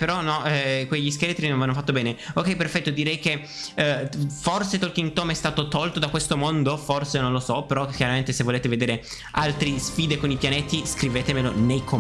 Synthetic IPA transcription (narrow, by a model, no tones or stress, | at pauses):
peɾɔnɔɛkwejʎːis̬kelet̪ɾinõnvanːofat̪ːobɛːneokːɛjperfɛt̪ːod̪iɾɛjke | forset̪olkiŋt̪oːmɛst̪aːt̪ot̪ɔlt̪od̪akwest̪omond̪oforsenõnlosɔpeɾɔkjaɾament̪esevːoleːt̪eved̪eːɾe | alt̪ɾisfiːd̪ekonipjanet̪iskɾiveːt̪emelonejkʰo